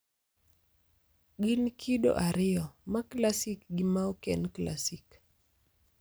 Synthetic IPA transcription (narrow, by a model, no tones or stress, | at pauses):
ɡinkʰiɗo̰ʔaɾɪɔmaklasikɡimaɔkɛnkla̰sik